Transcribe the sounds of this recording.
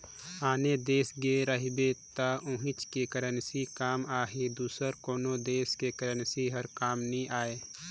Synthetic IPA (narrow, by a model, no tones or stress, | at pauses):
aːned̪eːsɡeːɾəɦbet̪aʊ̃ɦɪt͡ʃkekəɾənsikaːmaːɦed̪uːsəɾkoːnod̪eːskekəɾənsiɦəɾkaːmnĩʔaːeː